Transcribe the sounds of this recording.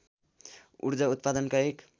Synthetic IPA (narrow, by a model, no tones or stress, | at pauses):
ṵɾd͡zaut̪̚pad̪ʌnkaek